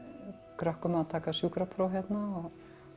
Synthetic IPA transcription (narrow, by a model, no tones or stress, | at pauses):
kɾœhkʏmaðat̪ʰaːkasjuːkɾapʰɾɔwɦjɛt̪naɔ